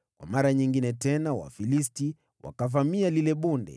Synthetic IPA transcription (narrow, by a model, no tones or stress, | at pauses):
kwa̰maɾaɲiŋɡinɛtɛnawa̰filisti | wa̰kavamialilɛɓundɛ̰